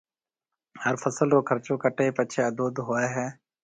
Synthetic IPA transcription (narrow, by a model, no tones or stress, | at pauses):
həɾfʰəsəlkoːkʰəɾt͡ʃõːkəʈeːpət͡ʃʰeːəd̪oːd̪ɦoːeːɦɛː